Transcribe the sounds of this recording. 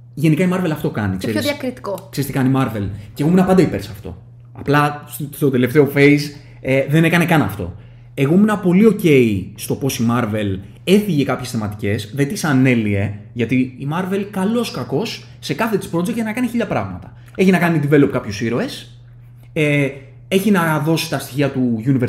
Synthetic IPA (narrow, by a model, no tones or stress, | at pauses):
ʝe̞nikɐimɐɾve̞lɐft̪o̞kɐ̰nikseoðiɐkɾit̪i̥koksest̪ikɐnimɐɾve̞lce̞ɣomunɐpɐnd̪ɐipe̞ɾsɐft̪o̞̰ | ɐplɐst̪o̞d̪e̞le̞ft̪e̞o̞fe̞is | eðe̞ne̞kɐnekɐnɐft̪o̞̰ | e̞ɣo̞munɐpo̞lio̞ce̞ist̪o̞po̞simɐɾve̞l | e̞θiʝe̞kɐpçe̞sθe̞mɐt̪i̥ce̞sðet̪isɐne̞lie̞ʝɐt̪iːmɐɾve̞lkɐlo̞skɐko̞sː | e̞kɐθe̞t̪i̥spɾo̞d͡zek̚t̪nɐkɐniçiʎɐpɾɐɣmɐt̪ɐ | e̞çinɐkɐnid̪ive̞lopkɐpçosiɾo̞e̞s | e | e̞çinɐðo̞si̥t̪ɐst̪içiɐt̪uʝunive